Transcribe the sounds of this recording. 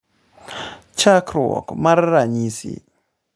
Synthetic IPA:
t͡ʃakʰɾɔ̰kmaɾɾaɲisḭ

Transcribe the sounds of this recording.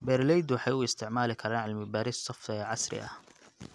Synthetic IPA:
beɾleːd̪wħawɪst̪ɪʕmaːlɪkʰɑɾˤaːʕalmɪbaːɾissˤɑfʕasɾɪ̰ʔa̰

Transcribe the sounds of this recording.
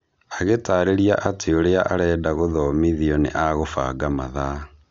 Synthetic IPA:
aɣetaɾeɾiaʔateoɾeaʔaɾɛːdaɣoðɔmiðiɔnḛʔaɣofa̰ːɡama̰ða

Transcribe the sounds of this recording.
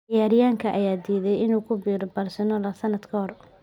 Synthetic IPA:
jaːɾɪjaːŋkʰɐʔɐjaːd̪iːðɛjɪnuːkʰʊbiːɾbɐrsɐnɔlɐsɐnːɐd̪kʰɐɦɔr

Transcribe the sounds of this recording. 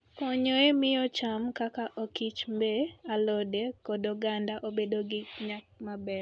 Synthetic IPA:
kɔɲoemɪjɔt͡ʃamkakaʔokit͡ʃmbealɔdekɔdɔɡandaʔobedoɡɪɲakmabɛɾ

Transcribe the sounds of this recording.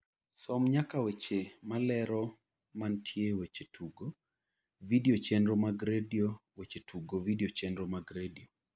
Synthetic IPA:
sɔmɲakawet͡ʃemalɛɾɔ | mantʰjewet͡ʃetʰuɡo | vidiot͡ʃɛndɾomaɡɾediowet͡ʃetʰuɡovidiot͡ʃɛndɾomaɡɾedio

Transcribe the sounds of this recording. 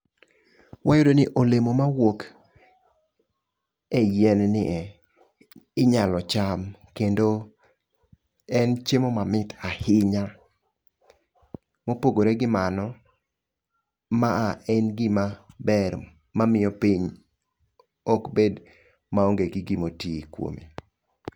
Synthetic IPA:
wajodonɪʔolemomawok | ɛjɛnnɪʔɛ | ɪɲalɔt͡ʃamkendo | ɛnt͡ʃemomamɪtahɪɲa | mopoɡoɾeɡɪmanɔ | maːɛnɡɪmabɛɾ | mamɪɔpiɲ | ɔkbed | maoŋɡeɡɪɡɪmotikwo̰mḭ

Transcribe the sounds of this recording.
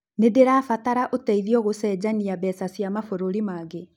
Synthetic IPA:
nedeɾaːfataɾaʔotɛiðiɔɣosɛːd͡ʑaniabɛsasiamafoɾoɾimaɡe

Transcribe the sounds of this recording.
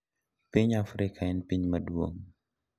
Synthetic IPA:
piɲafɾikʰaɛnpiɲmɐduoŋ

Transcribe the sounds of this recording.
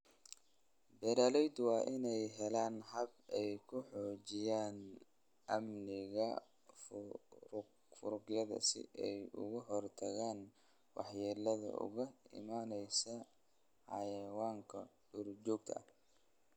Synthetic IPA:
bɛɾaːlɛjd̪wɑːʔɪnɛjɦɛlaːnhɐbɛjkʰʊħɔːt͡ʃɪjaːn | ʔɐmnɪɣɐ | f | fʊɾʊɡjɐðɐ̰sɪ̰ʔɛjʊ̰ɣʊɦɔrt̪ʰɐɣaːn | wɑ̰ħjɛːlɐðɐ̰ʔʊ̰ɣɐɪ̰maːnɛjsɐ | ħɑ̰jɐwaːŋkʰɐɖʊrt͡ʃɔːɡt̪ʰɐɐh

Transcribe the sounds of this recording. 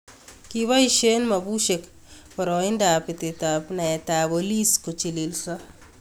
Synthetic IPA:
kiβaiʃenmɐbuʃek | pɔɾɔɪndapɪtetapnaɛtaboliskot͡ʃililsa

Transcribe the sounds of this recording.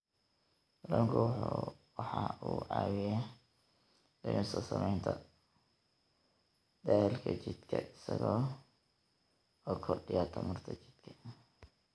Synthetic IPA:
lɐŋkʰʊwħuwɑħɑuːʕɑːwɪja | dɪmɪsɐsɐmɛjnt̪ʰɐ | d̪aːhɛlkʰɐt͡ʃɪd̪kʰɐ̰ʔɪsɐɣɔː | ɔːkʰɔrɖɪjat̪ʰɐmɐrt̪ʰɐt͡ʃɪ̥d̪̥kʰɐ̥

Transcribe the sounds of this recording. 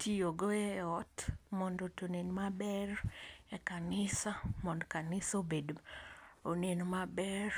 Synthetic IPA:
tioɡoɛɔtmɔndotonenmabɛrɛkanɪsamɔndkanɪsobed | onenmabɛr

